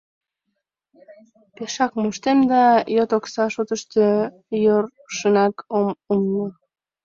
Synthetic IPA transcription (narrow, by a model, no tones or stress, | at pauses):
peʃɑk̚moʃt̪emd̪ɑjot̪oksɑʃot̪əʃt̪ø | jor | ʃənɑkomumno